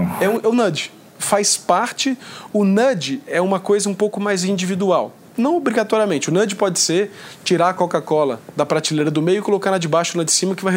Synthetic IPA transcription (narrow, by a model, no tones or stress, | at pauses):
ɛũʊnɐ̃d͡ʒɪ | fajspaɾt͡ʃɪʊnɐ̃d͡ʒɪɛũmɐkojzɐũpowkʊmajzĩd͡ʒivid̪uaw | nɐ̃w̃obɾiɡat̪ɔɾiɐmẽt͡ʃɪʊnɐ̃d͡ʒɪpɔd͡ʒɪseɾt͡ʃiɾaɾɐkokakɔlɐd̪ɐpɾat͡ʃilejɾɐd̪ʊmejʊɪkolokaɾnlad͡ʒɪbaʃʊlad͡ʒɪsĩmɐkɪvajɦ